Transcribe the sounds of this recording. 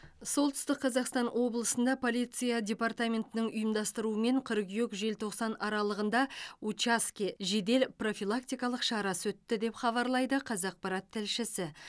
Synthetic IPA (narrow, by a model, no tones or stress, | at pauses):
so̞lˠt̪ʏ̥st̪ɪqʰːɑzɑqst̪ɑnwo̞blˠəsənd̪ɑpʰo̞lʲˠijt̪sɨjadʲe̞part̪amʲe̞nt̪ɪnɪŋʊjəmd̪ɑst̪əɾuəme̞ɴqʰʏɾqjøkʒe̞lt̪ʰo̞qsɑnɑɾɑlˠəʁənd̪ɑut͡ʃaskʲeʒe̞d̪e̞lpro̞fʲilˠak̚t̪ʲijkɑlˠəqʃɑɾɑsɵt̪ːɪd̪e̞pχɑβɑɾlˠɑjd̪əqʰɑzɑq̚pɑɾɑt̪ʰːɪlʃɪsɪ